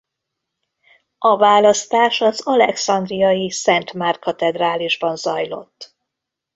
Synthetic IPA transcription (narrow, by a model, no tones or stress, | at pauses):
ɒvaːlɒst̪aːʃɒzɒlɛksɒnd̪rijɒjisɛnt̪maːrkɒt̪ɛd̪raːliʒbɒnzɒjlo̞̰t̪ː